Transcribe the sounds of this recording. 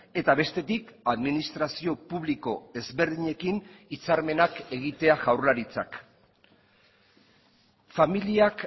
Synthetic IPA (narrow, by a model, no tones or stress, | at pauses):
e̞t̪aβe̞st̪e̞t̪ikaðminist̪ɾasio̞puβ̞liko̞e̞zβe̞ɾðiɲe̞kinit͡saɾme̞nake̞ɣit̪e̞aʝawɾlaɾit͡sa̰k | familiak